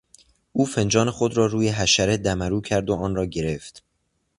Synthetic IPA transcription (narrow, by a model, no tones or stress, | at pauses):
ʔuːfe̞nd͡ʒɒːne̞xo̞d̪ɾɒːɾuːjeɦæʃæɾed̪æmæɾuːcʰæɾd̪oɒːnrɒːɟe̞ɾe̞ft̪